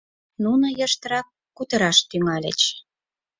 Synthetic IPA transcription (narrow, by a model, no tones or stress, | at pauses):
nunə̆jəʃt̪əɾɑkːut̪ə̆ɾɑʃt̪yŋɑlʲḛt͡ɕ